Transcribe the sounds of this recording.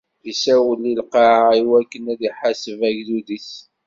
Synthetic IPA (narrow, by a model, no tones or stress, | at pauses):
isæwəlːilqɑaiwækːənæðiħasəvæʝðuðis